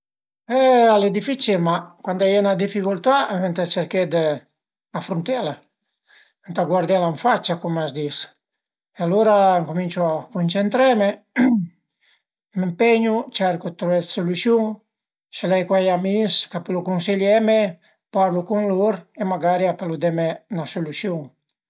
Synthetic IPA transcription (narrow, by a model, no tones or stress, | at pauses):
ɛaled̪ifit͡ʃilmakwand̪ajɛnad̪ifikult̪avent̪at͡ʃeɾked̪ə | afɾunt̪ɛla | ent̪aɡwaɾd̪ɛlaɱfat͡ʃːakumasd̪is | ealoɾaŋkumint͡ʃuakunt͡ʃent̪ɾɛme | mempeɲut͡ʃɛɾkut̪ɾuɛt̪sulusjuŋ | selɛjkwajamiskapelukunsiʎjɛme | paɾlukuŋloɾemaɡaɾiapelud̪ɛmenasulusjuŋ